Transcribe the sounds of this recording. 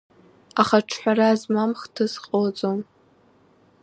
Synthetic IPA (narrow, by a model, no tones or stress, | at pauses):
aχaʈ͡ʂʰħʷaɾazmamχtʰɨsqʼot͡sʼom